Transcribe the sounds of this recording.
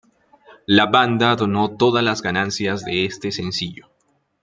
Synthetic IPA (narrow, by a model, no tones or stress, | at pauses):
laβand̪aðo̞no̞t̪o̞ðalazɡanansjazðe̞est̪e̞se̞nsiʝo